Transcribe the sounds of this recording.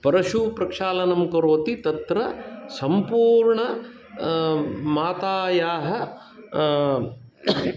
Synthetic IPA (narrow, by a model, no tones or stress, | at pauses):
pɐɾɐʃupɾɐkʂaːlɐnɐmkɐɾoːt̪it̪ɐt̪ɾɐsɐmpuːɾɳɐ | maːt̪aːjaːɦɐ̆